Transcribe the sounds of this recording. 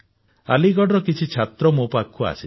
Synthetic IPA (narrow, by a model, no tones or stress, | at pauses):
a̰liɡɔɽɔɾɔkit͡ʃʰit͡ʃʰat̪ɾɔmopakʰːua̰si